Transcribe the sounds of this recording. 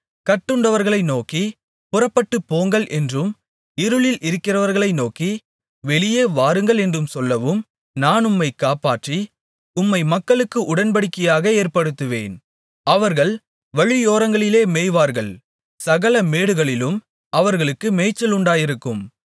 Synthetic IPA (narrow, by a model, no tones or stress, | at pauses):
kɐʈːɯɳɖɐʋɐɾɣɐɭɐɪnoːki | pʊrɐpːɐʈːɯpːoːŋɡɐɭʔɛndrɯm | ɪɾɯɭɪlʔɪɾɯkːɪrɐʋɐɾɣɐɭɐɪnoːki | ʋɛɭɪjeːʋaːɾɯŋɡɐɭɛndrɯmsɔlːɐʋɯm | naːnʊmːɐɪkaːpaːʈri | ʊmːɐɪmɐkːɐɭɯkːɯʔʊɽɐnpɐɽɯkːɐjaːɣɐeːɾpɐɽɯt̪ːɯʋḛːn | ɐʋɐɾɣɐɭ | ʋɐɻɪjoːɾɐŋɡɐɭɪleːmeːjʋaːɾɣɐɭ | sɐɣɐlɐmeːɽɯɣɐɭɪlɯm | ɐʋɐɾɣɐɭɯkːɯmeːt͡ʃːɐlʊɳɖaːjɪɾɯkːɯm